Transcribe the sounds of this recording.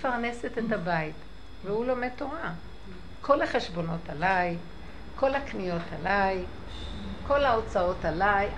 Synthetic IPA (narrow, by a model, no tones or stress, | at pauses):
faʁne̞setethabait | vehulo̞meto̞ʁa | kʰo̞laχeʃbo̞no̞talaj | kʰo̞laknijo̞tʰalaj | ko̞lao̞t͡sao̞talaj